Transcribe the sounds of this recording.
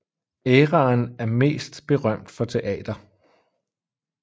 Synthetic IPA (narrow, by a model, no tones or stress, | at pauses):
eːʁɑ̈ːnæɐme̝̰ːsd̥b̥e̝ʁɶm̰d̥fɒ̽t͡sʰe̝ʔɛ̰ːd̥ɐ